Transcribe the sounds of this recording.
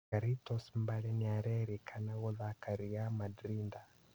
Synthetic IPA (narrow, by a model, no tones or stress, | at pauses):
aɾitɔsmbaɺɛniaɾɛɾikʰanaɣɔðakaɾiamadɾinda